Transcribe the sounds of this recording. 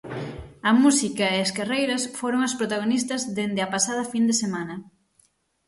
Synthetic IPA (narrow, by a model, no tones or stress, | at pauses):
ɐmusikɐeɐskarejɾɐsfoɾoŋɐspɾot̪aɣ̞onist̪ɐzðend̪ɪɐpasaðɐfind̪esemanɐ